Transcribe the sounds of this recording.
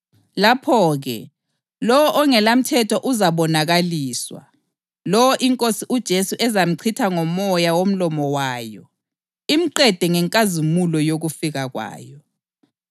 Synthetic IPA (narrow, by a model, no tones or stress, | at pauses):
lapʰɔːɣɛ̰ | lɔwɔʔɔŋɛlam̩tʰɛtʰɔʔuzaɓɔnaɣaliːswa̰ | lɔwɔʔiŋkʼosiʔud̥ʒ̥ʱesuʔɛzam̩ǀʰitʰaŋɔmɔjawom̩lɔmɔwaːjɔ | im̩ǃɛd̥ʱɛŋɛŋkʼazimulɔjoɣufiɣaɣwa̰ːjɔ